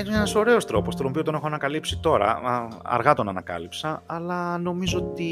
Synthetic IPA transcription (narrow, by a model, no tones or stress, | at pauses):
enenɐso̞ɾe̞o̞st̪ɾo̞po̞st̪onopio̞t̪o̞nexoɐnɐkɐlipsit̪o̞ɾɐ̰ɐ̰ɾɣɐt̪o̞nɐnɐkɐ̰lipsɐɐlɐno̞mizoot̪i